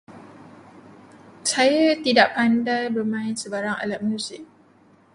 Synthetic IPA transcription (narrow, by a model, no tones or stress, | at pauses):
sajat̪idaʔpandajbərmãɪnsəbaɾaŋa̰lat̪̚manũsə